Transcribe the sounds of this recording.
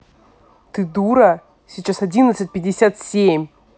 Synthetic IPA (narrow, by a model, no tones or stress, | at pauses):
t̪ɨd̪uɾə | sʲɪt͡ɕasɐdʲinət̪sɨt̚ʲpʲɪdʲɪsʲat̪sʲemʲ